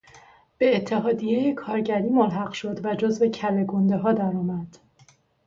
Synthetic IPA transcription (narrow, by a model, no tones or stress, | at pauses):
b̥e̞ːt̪ʰːe̞ɦɒːd̪ijejekʰɒːɾɟæɾiːmolɦæɢʃo̞d̪væd͡ʒozve̞cʰæle̞ɡond̪e̞ɦɒːd̪æɾɒːmæd̪̥